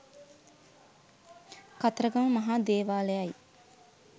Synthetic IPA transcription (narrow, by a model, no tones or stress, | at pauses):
kat̪ɾəɡammɐɦaːd̪eːʋaːləjaj